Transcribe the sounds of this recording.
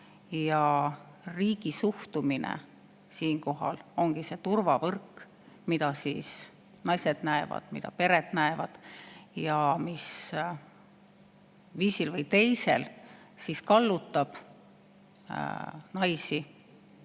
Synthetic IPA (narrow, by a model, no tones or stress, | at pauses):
jɑ | riːɡ̥isuht̪uminḛ | siːŋko̞ɦɑ̰lo̞ŋɡ̥ise̞ːt̪urvɑvɤrkː | mid̪ɑsiːs | nɑjse̞d̪̥næevɑ̰d̪̥mid̪ɑ̰pe̞ɾet̪næevɑd̪̥jɑmis | viːsilvɤjt̪e̞jse̞̰l | siskɑlːut̪ːˑɑb̥ | nɑjsi